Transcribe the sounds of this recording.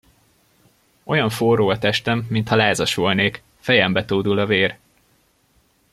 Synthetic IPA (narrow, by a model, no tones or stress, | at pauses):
o̞jɒɱfoːroːɒt̪ɛʃt̪ɛmːint̪hɒlaːzɒʃolneːk | fɛjɛmbɛt̪oːd̪ulɒveːr